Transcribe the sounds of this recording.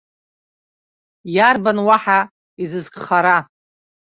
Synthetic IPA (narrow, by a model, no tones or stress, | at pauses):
jarbanwaħa | izɨzkʼχaɾa